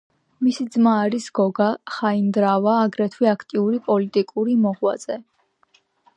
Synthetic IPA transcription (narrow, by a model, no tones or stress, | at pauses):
misid̪zmaːɾisɡ̥ɔɡaχaind̪ɾavaːɡɾɛt̪ʰwiakʰt̪ʼiuɾipʼɔlit̪ʼikʼuɾimɔʁwa̰z̥ɛ